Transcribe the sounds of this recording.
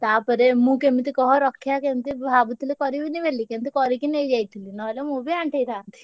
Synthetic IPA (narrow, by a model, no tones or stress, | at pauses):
t̪apəɾemũkemit̪ikɔɦɔɾɔkʰːjakemit̪ibʱabut̪ilikɔɾibiniʋelːikemit̪ikɔɾikinejd͡ʒajt̪ʰilinɔlemũbiaɳʈʰejt̪aːnt̪i̥